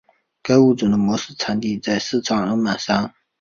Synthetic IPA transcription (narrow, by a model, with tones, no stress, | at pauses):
ka˥u˥˩t͡su˨˩d̪ə˦mwɔ˧˥ʂɹ̩˥˩t͡sʰa˧˥nt̪i˥˧t͡sa˥˧ɪsɹ̩˥˩t͡sʰɑ˥˩ŋə˧˥ma˨˩sa˥ŋ